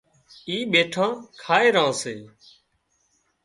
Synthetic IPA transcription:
iːɓeːʈʰãːkʰaːeːɾãːseː

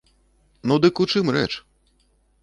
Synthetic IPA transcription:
nud̪ɨkut͡ʂɨmrɛ̰t͡ʂ

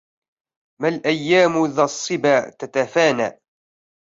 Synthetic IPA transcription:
malʔæjːaːmʊðɑsˤːɨbaːt̪at̪afaːna̰

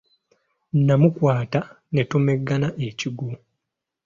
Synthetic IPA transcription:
amukwaːta | ne̞tumeɡːanaʔe̞ciɡu

